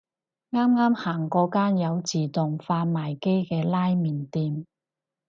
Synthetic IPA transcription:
ŋaː˥mŋaː˥mhaː˨˩ŋkɔː˨˥kaː˥njɐ˨˧wt͡siː˨˩t̪ʊ˨ŋfaː˧n̚maː˨˩jke˥jkɛː˧laː˥jmiː˨˩nt̪iː˧m

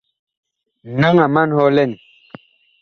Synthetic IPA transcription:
na˦ŋa˨ma˦nhɔ˦lɛ˦˨n˨

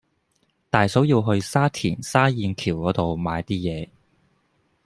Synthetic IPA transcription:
t̪aː˨jso˨˥wjiː˧wɦɵ˧ɥsaː˥t̪ʰiː˨˩nsaː˥jiː˨˧nkʰiː˨˩wkɔː˨˥t̪o˨wmaː˨˧jt̪iː˥jɛː˨˧

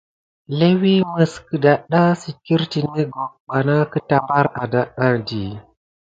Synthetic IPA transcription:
le˦wi˦mə˨skə˨da˨ɗa˦si˨ki˦ɾti˨ne˦ɡo˨k̚ɓa˨na˦kə˦ta˨mba˦ɾa˨da˦ɗa˦di˨

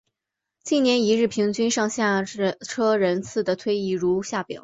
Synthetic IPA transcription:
t͡ɕi˥˩njɛ˧˥ni˧˥ɻɻ̩˥˩pʰi˧˥ŋt͡ɕy˥nʂɑ˥˧ŋɕja˥˩˧ʈ͡ʂʰɤ˥ɻə˧˥nt͡sʰɹ̩˥˩d̪ə˩t̪ʰwe˥ɪi˧˥˩ɻu˧˥ɕja˥˩pjɑ̰˨˩˦

